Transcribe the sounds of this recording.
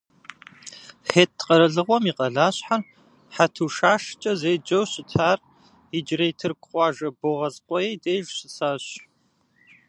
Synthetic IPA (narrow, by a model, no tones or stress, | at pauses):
xeːt̚ːqʼɐɾɐɮɨʁʷɔmiːqʼɐɮaːɕħar | ħatʰuːʃaːʂt͡ʃʼɐzeːd͡ʒɐwɕɪtʰaːr | ɪd͡ʒrejtʰɨrkʷʼqʷʼɑːʒɐboʁɐzʼqʷʼɔjeːdeːʒɕɪsaːɕ